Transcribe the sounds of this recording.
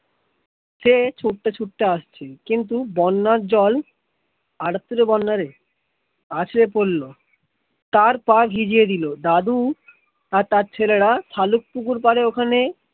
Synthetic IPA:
ʃet͡ɕʰuʈːat͡ɕʰuʈːaaʃt͡ɕʰekint̪̬ubɔnːaɾd͡ʑɔl | aʈat̪ːoɾebɔnːaɾe | at͡ɕʰɾepolːo | t̪aɾpaɾɦid͡ʑied̪ilod̪ad̪u | aɾt̪aɾt͡ɕʰeleɽat̪ʰaluk̚pukuɾpaɾeokʰane

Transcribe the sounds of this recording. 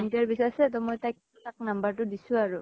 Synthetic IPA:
ntaɹbisasɛt̬ɔmɔjtajk̚ | utak̚nambaɹtʊdisʊ̃aɹʊ

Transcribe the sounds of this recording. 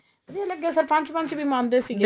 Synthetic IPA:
dieləɡ̚eːsəɾpɐ̃ɲt͡ʃpɐ̃ɲt͡ʃbʱiːmãːnd̪eːsiːɡeː

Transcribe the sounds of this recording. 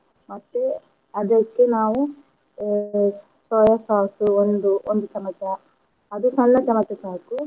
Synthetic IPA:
mɐt̪ːe | ɐd̪ɐkːenaːʋu | sɔːjɐsaːsuond̪uond̪ut͡ʃɐmɐt͡ʃɐ | ɐd̪usɐlːɐt͡ʃɐmɐt͡ʃːɐsaːku

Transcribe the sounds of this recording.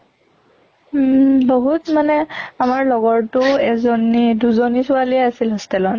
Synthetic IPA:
boɦutmanɛamaɹlɔɡɔɹtʊɛzoniduzonisʊaliɛasilɦɔstɛlɔn

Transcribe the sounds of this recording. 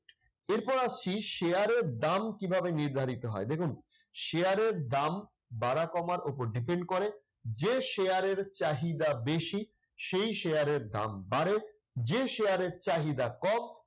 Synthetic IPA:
eɾpɔɾaiʃeaɾeɾd̪amkibʱabeniɾd̪ʱaɾit̪oɦɔ̰ed̪ekʰun | ʃeaɾeɾd̪am | baɾakɔmaɾopoɾɖipeɳɖ̚koɾe | d͡ʑeʃeaɾeɾt͡ɕaɦid̪abeʃi | ʃejʃejaɾeɾd̪a̰mbaɾe | d͡ʑeʃejaɾeɾt͡ɕaɦid̪akɔm

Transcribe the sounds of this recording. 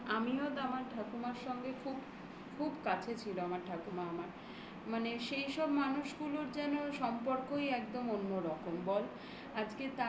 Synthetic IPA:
amiɦɔt̪amaɾʈakumaɾʃɔŋɡekʰub | kʰubkat͡ɕʰet͡ɕʰiloamaɾʈʰakumaamaɾ | maneʃejʃɔbmanuʃɡuloɾd͡ʑɛnoʃɔmpoɾkojɛkd̪omonːoɾɔkombɔl | ad͡ʑket̪a

